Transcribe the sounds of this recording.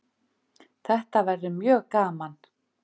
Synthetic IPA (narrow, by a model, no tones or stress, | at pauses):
θɛht̪avɛɾðʏmjœːɣkaːman